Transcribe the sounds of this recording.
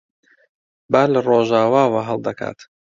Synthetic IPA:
baːlaroːʒaːwaːwaɦəlˠd̪ɐkʰa̰ːt̪

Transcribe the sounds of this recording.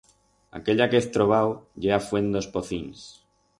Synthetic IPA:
a̰keʎakeθt̪ɾoβ̞awʎeafwe̞nd̪o̞spoθins

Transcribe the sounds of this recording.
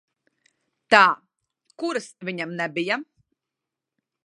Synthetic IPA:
t̪aː | kuɾasviɲamnɛbija

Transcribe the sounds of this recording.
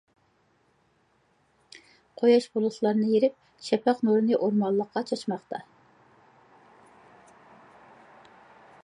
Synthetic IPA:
qʰojɑʃbolˠʊslˠɑɾnɨjeɾɪp̚ | ʃɛpʰæqnoɾɨnɨʔoɾmɑlˠːəqːɑt͡ʃʰɑt͡ʃmɑχt̪ʰɑ

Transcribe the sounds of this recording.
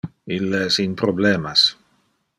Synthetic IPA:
ilːeɛsinpɾobleːmas

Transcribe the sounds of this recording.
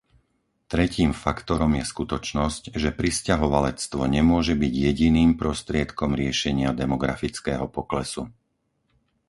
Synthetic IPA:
t̪ɾɛciːmfakt̪ɔɾɔmjɛskut̪ɔt͡ʃnɔscʒɛpɾiscaɦɔʋalɛt͡st̪ʋɔɲɛmʊɔʒɛbiɟjɛɟiniːmpɾɔst̪ɾɪɛt̪kɔmɾɪɛʃɛɲɪad̪ɛmɔɡɾa̰fit͡skɛːɦɔpɔklɛsu

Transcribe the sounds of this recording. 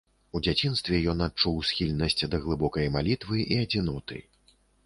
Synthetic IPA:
ud͡zʲat͡sʲinst̪vʲɛjɔnat̚t͡ʂuwsʲxʲilʲnɐsʲt͡sʲd̪ɐɣlˠɨbɔkɐjmalʲit̪vɨʔiɐd͡zʲinɔt̪ɨ̰

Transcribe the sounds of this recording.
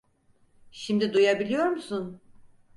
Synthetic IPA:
ʃimd̪id̪ujabilʲijo̞ɾmusun

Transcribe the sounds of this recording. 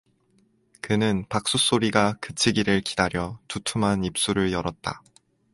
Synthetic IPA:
kɯnɯnpak̚s͈us͈oɾiɡakɯt͡ɕʰiɡiɾɯɭki̥daɾjʌtutʰumɦanip̚s͈uɾɯɭjʌɾʌt̚t͈a̰

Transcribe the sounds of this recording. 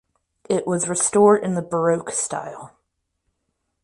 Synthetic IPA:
ɪʔwʔʌzɹɨstɔɹɾɨ̃nðəbə˞oʊksta̰ɪlˠ

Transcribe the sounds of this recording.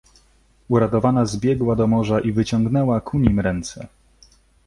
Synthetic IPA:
uɾat̪ɔvanazbʲjɛɡwad̪ɔmɔʐaʔivɘt͡ɕɔŋɡnɛwakʰuɲimɾɛnt̪sɛ

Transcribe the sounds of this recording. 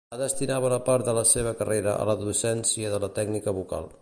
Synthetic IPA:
əðəst̪inaβələpaɾd̪ələseβ̞əkəreɾəʔə̰ləðusɛnsiəðələt̪ɛɡnikəβuka̰lˠ

